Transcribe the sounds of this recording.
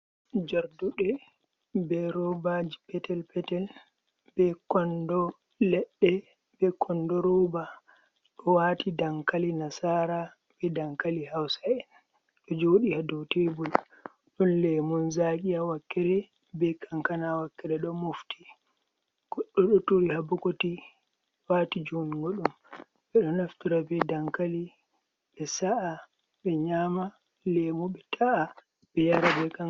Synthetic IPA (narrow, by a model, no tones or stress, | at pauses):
d͡ʒaɾduɗɛ | bɛɾɔbad͡ʒipɛtɛlpɛtɛl | bɛkɔndɔ | lɛɗːɛ | bɛkʰɔndɔɾɔba | ɗɔwaːtidaŋkalinasaɾa | bɛdaŋkalihawsaɛn | ɗɔd͡ʒoːɗihadɔwtebul | ɗɔnlɛmɔnzakʼijawakːɛɾɛ | bɛkʰaŋkanawakːɛɾɛɗɔmufti̥ | ɡ̥ɔɗːɔɗɔtuɾihabukoti | waːtid͡ʒuniɡoɗum | ɓɛɗɔnaftiɾabɛdaŋkali | ɓɛsaʔa | ɓɛɲaːma | lɛmɔɓɛtʰaa | bɛjaɾabɛka